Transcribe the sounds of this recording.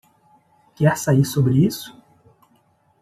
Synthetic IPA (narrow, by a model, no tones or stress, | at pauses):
kɛɾsaiɾsobɾɪisʊ̥